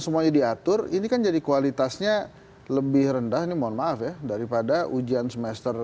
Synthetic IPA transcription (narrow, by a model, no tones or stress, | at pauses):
səmuaɲadiat̪ʊrinikand͡ʒadikualit̪asɲa | ləbɪhɾəndahinimaanmaːfjadaɾipadaʔud͡ʒiansəmɛst̪ər